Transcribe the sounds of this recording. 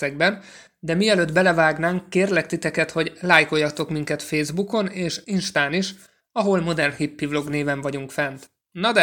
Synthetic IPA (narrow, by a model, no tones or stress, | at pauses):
ɛɡ̚bɛn | d̪ɛmiɛløːd̪bɛlɛvaːɡnaːŋkːeːrlɛk̚t̪it̪ɛkɛt̪ho̞ɟlaːjko̞jːɒt̪o̞kmiŋkɛt̪feːzbuko̞neːʃinʃt̪aːniʃ | ɒɦo̞lmo̞d̪ɛrnhipːivlo̞ɡneːvɛɱvɒɟuŋkfɛnt̪ | nːɒd̪ɛ